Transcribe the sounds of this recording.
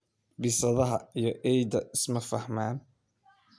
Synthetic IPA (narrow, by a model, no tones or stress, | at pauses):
bɪsɐðɐɦɐijɔʔɛjd̪ɐʔɪsmɐfɐhmaːn